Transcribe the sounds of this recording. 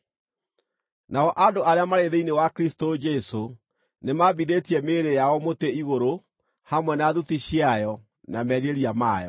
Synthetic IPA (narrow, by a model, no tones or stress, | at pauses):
naɔʔadoʔaɾeamaɾeðeinewakɾistod͡ʒɛso | nemabiðetiɛmeɾejaɔmoteiɣoɾo | hamwɛnaðutiɕjajɔ | namɛɾeɾiamaːjɔ̰